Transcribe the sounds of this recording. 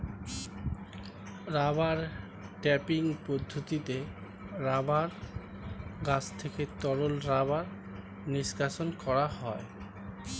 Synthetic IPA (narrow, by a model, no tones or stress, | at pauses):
ɾabaɾ | ʈɛpiŋpod̪ʱːot̪it̪e | ɾabaɾ | ɡat͡ɕʰt̪ʰeket̪ɔɾolɾabaɾ | niʃkaʃonkɔɾaɦɔe